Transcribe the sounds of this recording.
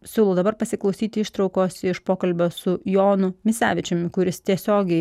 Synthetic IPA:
sʲuːlˠoːd̪ɐbɐɾpɐsʲɪklˠɒʊsʲiːt̪ʲɪɪʃt̪ɾɒʊkoːsɪʃpoːkɐlʲbʲoːsʊjoːnʊmʲɪsʲæ̰ːʋʲɪt͡ʃʲʊmʲkʊɾʲɪst̪ʲiɛsʲoːɡʲɛɪ

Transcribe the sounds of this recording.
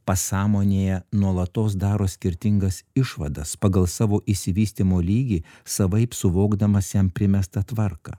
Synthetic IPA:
pɐsɑːmoːnʲeːjɛnuɔlˠɐt̪oːsd̪ɑːɾoːsʲkʲɪɾʲt̪ʲɪŋɡɐsɪʃʋɐd̪ɐspɐɡɐlˠsɑːʋoːʔɪsʲɪʋʲiːsʲt̪ʲimoːlʲiːɡʲiː | sɐʋɐɪpsʊʋoːɡd̪ɐmɐsjɛmpʲɾʲɪmʲɛst̪ɐt̪ʋɐɾkɑ̰

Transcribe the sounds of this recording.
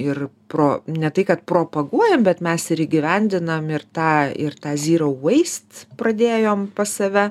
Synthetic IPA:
ɪrpɾoːnʲɛt̪ɐɪkɐt̪̚pɾoːpɐɡuɔjɛmbʲɛt̪mʲɛsɪɾiɡʲɪʋʲɛnʲd̪ʲɪnɐmɪrt̪ɑːɪ̰rt̪ɑːzʲiːɾɐɐɪst̪prɐd̪ʲeːjoːmpɐsɐʋʲɛ

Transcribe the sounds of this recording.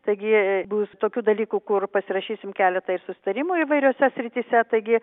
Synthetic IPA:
t̪ɐɪɡʲɪbuːst̪oːkʲuːd̪ɐlʲiːkuːkʊrpɐsʲɪɾɐʃʲiːsʲɪmkʲæːlʲɛt̪ɐɪɾsʊsʲɪ̥t̪ɐɾʲɪmuːiːʋɐɪɾʲoːsʲɛsʲɾʲɪt̪ʲiːsʲɛt̪ɐɪɡʲɪ

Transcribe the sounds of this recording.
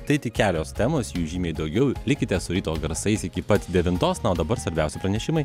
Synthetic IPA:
t̪ɐɪt̪ʲɪkʲæːlʲoːst̪ʲæːmoːsjuːʒʲiːmʲeːɪd̪ɒʊɡʲɛʊlʲɪkʲɪt̪ʲɛsʊɾʲiːt̪oːɡɐɾsɐɪsɪkʲɪpɐt̪ʲd̪ʲɛʋʲɪnt̪oːsnɐoːd̪ɐbɐɾsʋɐɾʲbʲɛæˑʊsʲɪpɾɐnʲɛʃʲɪmɐɪ

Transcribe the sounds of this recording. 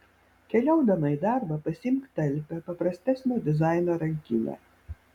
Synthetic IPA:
kʲɛlʲɔwd̪ɐmɐjd̪arbɐpɐsʲimkt̪ɛlʲpʲɛpɐpɾɐsʲt̪ʲɛsʲnʲɔd̪ʲɪzajnɔɾɐŋʲkʲḭnʲɛ̰

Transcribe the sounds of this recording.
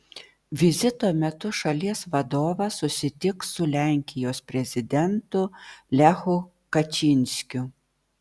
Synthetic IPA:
ʋʲɪzʲɪt̪oːmʲɛt̪ʊʃɐlʲiɛsʋɐd̪oːʋɐsʊsʲɪt̪ʲɪksʊlʲæˑŋʲkʲɪjoːspʲɾʲɛzʲɪd̪ʲɛnt̪ʊlʲæxʊ | kɐt͡ʃʲɪnʲsʲkʲʊ

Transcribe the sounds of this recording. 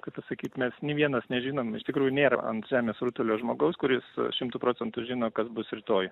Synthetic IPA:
kɐɪpɐsɐkʲiːt̪mʲɛsnʲiːʋʲiɛnɐsnʲɛʒʲiːnoːmɪʃt̪ʲɪkɾuːjʊnʲeːɾɐ̰ɐ̰nt̪ʒʲæːmʲeːsɾuːt̪ʊlʲoːʒmoːɡɐʊskʊɾʲɪsʃʲɪmt̪uːpɾoːt͡sʲɛnt̪ʊʒʲɪːnoːkɐsbʊsɾʲɪt̪oːj

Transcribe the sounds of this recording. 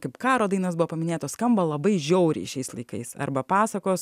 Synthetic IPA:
kɐɪpkɑːɾoːd̪ɐɪnɐsbʊʋoːpɐmʲɪnʲeːt̪oːsskɐmbɐlˠɐbɐɪʒʲɛʊɾʲɛ̰ɪʃʲɛɪslˠɐɪkɐɪsɐ̰ɾbɐpɑːsɐkoːs

